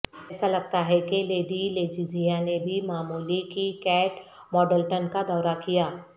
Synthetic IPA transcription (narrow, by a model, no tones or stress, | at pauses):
ɛːsalɐɡ̚t̪aɦɛkeleːɖileːd͡ʒizijãnebʱimaːmuːlikikɛːʈ | mɔːɖəlʈənkad̪ɔːɾakijaː